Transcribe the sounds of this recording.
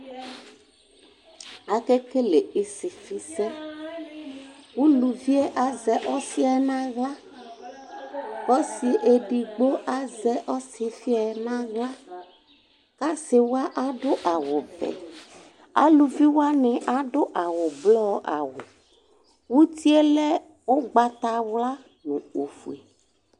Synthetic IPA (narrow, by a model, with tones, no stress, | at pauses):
a˨ke˦ke˦le˨i˨si˨fi˦sɛ˦ | wu˦lu˨vi˦e˦ʔa˨zɛ˦ʔɔ˦si˦a˨˦nã˦ɣla˦ | kɔ˦si˨ʔe˨ɖi˨ɡ͡bo˦ʔa˦zɛ˦ʔɔ˦si˨fi˦a˨˦nã˦ɣla˦ | ka˦se˨wo˦a˦ʔa˦ɖo˦ʔa˨wo˨bɛ̰˨ | a̰˦lu˨vi˦wo˦a˦nɛ̃˨ʔa˨ɖo˦ʔa˨wo˨blɔ˦ʔa̰˨wo˨ | wu˦t̪i˦e˦lɛ˦ | wo˦ɡ͡ba˨t̪a˨wla˦ | nũ˨o˨fu˨e˨